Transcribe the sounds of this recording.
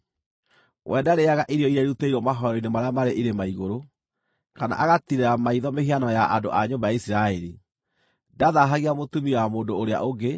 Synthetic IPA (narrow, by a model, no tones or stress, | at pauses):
wʔɛndaɾeaɣaʔiɾiɔiɾaɾuteiɾwɔmaɦɔɾɾɔinemaɾeamaɾeʔiɾemaiɣoɾo | kana̰ʔaɣatiɾeɾamaiðɔmeɦianɔjaʔando̰ʔaɲombajaisiɾaeɾi | daðaɦaɣiamotumiwamoːndoːɾea̰ʔoɡe